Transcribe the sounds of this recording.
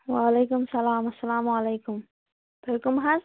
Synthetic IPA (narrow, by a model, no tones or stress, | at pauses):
waːlejkʊmsɐlaːmɐsːɐlaːmʕalejkʊm | bɐɾkʊmɦaz